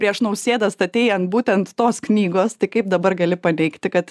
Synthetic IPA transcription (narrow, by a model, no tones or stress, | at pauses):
pɾʲiɛʃnɐʊsʲeːd̪ɐst̪ɐt̪ʲeːjɛnt̪buːt̪ʲɛnt̪ːoːsknʲiːɡoːst̪ɐɪkɐɪp̚d̪ɐbɐrɡɐlʲɪpɐnʲɛɪkt̪ʲɪkɐt̪